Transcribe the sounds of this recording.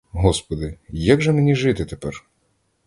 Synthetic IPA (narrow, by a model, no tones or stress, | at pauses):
ɦɔspɔd̪ɪjaɡʒɛmenʲiʒɪt̪ɪt̪epɛr